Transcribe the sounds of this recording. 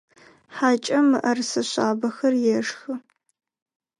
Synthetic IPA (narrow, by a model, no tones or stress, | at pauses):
ħaːt͡ʃʼɐmɨʔɐrsɐɕʷaːbɐxɐrjɛʂxɨ